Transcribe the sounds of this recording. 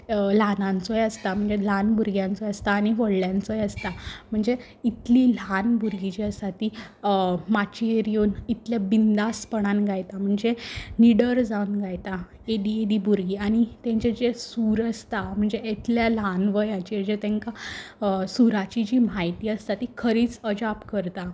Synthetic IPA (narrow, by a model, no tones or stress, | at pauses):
lanãnt͡sɔjəst̪am̤əɳd͡zelanbuɾɡjãnt͡sɔjəst̪aːñiʋəɽljãnt͡sɔjəst̪am̤əɳd͡ze | it̪lilanbʱuɾɡit͡ɕiəst̪at̪i | mat͡ɕieɾijonit̪ljabind̪aspəɽ̃anɡajt̪am̤əɳd͡zeniɽəɾd͡zaunɡajt̪a | ed̪ieɖ̪ibʱuɾɡiːañit̪ẽɲt͡ɕed͡ʑesuːɾəst̪am̤əɳd͡zeet̪ljalanʋəjat͡ɕid͡ʑet̪ẽŋka | suɾat͡ɕid͡ʑiːm̤ajt̪iːəst̪at̪ikʰəɾiːt͡səd͡ʑapkəɾt̪a